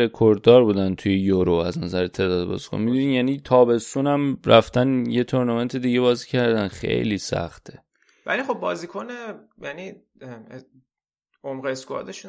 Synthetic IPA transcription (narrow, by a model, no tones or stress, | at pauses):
e̞kʰoɾd̪ɒːɾbuːd̪ænt̪ʰujejoɾoæznæzæɾet̪ʰe̞d̪ɒːd̪bɒ̰zi̥kʰo̰nmid̪uniːjæniːt̪ʰɒːbe̞st̪unæmrʔæft̪ænje̞t̪ʰoɾnɒme̞nt̪ʰed̪iːɟebɒːziːcʰæɾd̪ænxe̞̰jliːsæ̰xt̪ʰe | væ̰lixo̞bːɒːziːkʰone | jæni | omɣeskuɒ̰ːd̪eʃu